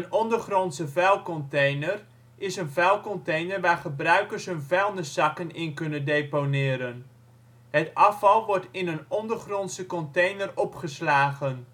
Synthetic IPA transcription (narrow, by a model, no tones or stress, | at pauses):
ənɔndərχrɔnsəvɛlˠkɔntejnər | ɪsənvɛlˠkɔntejnərʋaːɹχəbrœɥkəɹsɦɵnvɛlˠndəsɑkənɪnkɵnəndejponɪːɾən | ɦətɑfɑlˠʋɔɹtɪnənɔndərχrɔnsəkɔntejnərɔpχəslaːχən